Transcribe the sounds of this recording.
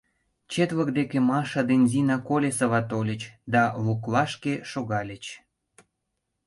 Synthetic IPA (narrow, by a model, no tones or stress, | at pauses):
t͡ɕet̪βəkd̪ekemɑʃɑd̪enʲzinɑkolʲesəβɑt̪olʲə̆t͡ɕd̪ɑβuklɑʃkeʃoɣɑlʲət͡ɕ